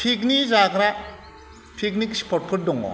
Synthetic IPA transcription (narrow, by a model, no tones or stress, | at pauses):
pʰik̬nizakɾa | pʰiknikspʰɔɾt̚pʰɯɾ̚dɔŋɔ̰